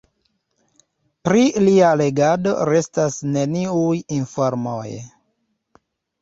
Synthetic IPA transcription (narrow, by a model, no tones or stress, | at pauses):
pɾiliale̞ɡado̞̰ɾe̞stasne̞niujinfoɾmoj